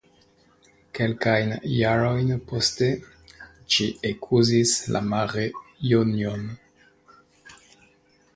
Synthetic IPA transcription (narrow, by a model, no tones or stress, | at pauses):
ke̞lkajnjaɾo̞jnposte | ʃiekʰuzisla̰maɾejunjon